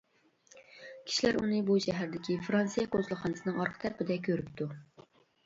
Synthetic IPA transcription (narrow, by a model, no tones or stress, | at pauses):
kʲʰi̥ʃilæɾṵnɨbuʃɛɦæɾd̪ɪkʲʰifɾɑnsijɛkʰozlˠɑχɑnɨsɨnɨŋɑɾqʰə̥t̪ʰæɾpɪd̪ɛk̬ʲʰøɾyp̚t̪ʰu